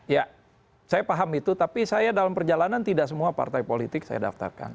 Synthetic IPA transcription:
ja | sajapaɦamit̪ut̪apisajadalampərd͡ʒalanant̪idaʔsəmuapa̰rt̪ajpolit̪ɪk̚sa̰ja̰da̰ft̪a̰rka̰n

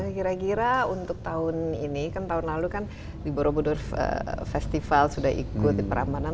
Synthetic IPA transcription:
kiɾakiɾaunt̪ʊk̚t̪aʊninikant̪aʊnlalukan | diboɾobudʊrə̰fɛst̪ifalsudaɦḭkʊt̪̚dipəɾʔa̰mana

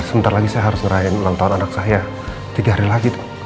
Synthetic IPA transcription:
səbənt̪arlaɡisajaɦaɾʊsŋəɾaɪnulaŋt̪aʊnanak̚saɦaja | t̪iɡaɦaɾilaɡit̪ʊ̥

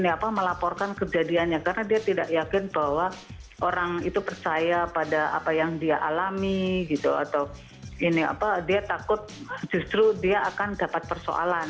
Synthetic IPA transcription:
niapaməlapɔrkankəd͡ʒadianɲakaɾənadiat̪idaʔjakɪnbaɦwaʔoɾaŋit̪upərt͡ʃajapadaa̰pajaŋdiaʔalamiɡit̪ṵa̰t̪aw | inia̰padiat̪akʊt̪̚ | d͡ʒust̪ɾudiaːkandapat̪̚pərso̰ʔa̰lan

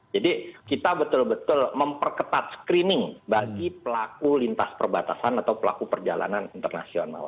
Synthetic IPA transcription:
d͡ʒadikit̪abət̪ʊlbət̪ʊlməmpərkət̪at̪̚sə̥kɾinɪŋbaɡipəlakulint̪aspərbat̪asanat̪awpəla̰kupərd͡ʒala̰nanint̪ərna̰siona̰l

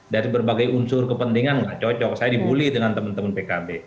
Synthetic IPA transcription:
daɾibərbaɡajunsʊrkəpənt̪iŋanlaht͡ʃɔt͡ʃɔk̚sajadibulihdəŋant̪əmənt̪əmənpekabe

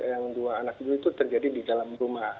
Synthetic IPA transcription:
jaŋduaːnak̚iduit̪ut̪ərd͡ʒadididalamrumah

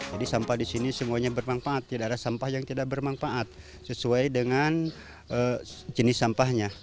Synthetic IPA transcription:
d͡ʒadisampahdisinisəmuaɲabərmanfaʔːt̪ːidaʔːdasampahjaŋt̪idak̚bərmanfaʔat̪̚ | səsuajdəŋan | ʔəd͡ʒənɪsampahɲa

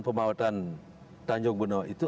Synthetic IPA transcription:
npəmawat̪an | t̪aɲd͡ʒɔk̚bənait̪u

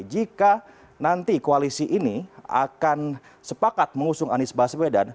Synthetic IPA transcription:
d͡ʒika | nant̪ikoalisiʔinia̰kan | səpakat̪̚məŋusʊŋanɪsbasbedan

